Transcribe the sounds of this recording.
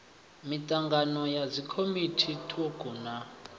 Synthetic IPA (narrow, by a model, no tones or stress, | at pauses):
mitʼaŋɡanɔjazikʰomitʰitʰɔɡʱʼuna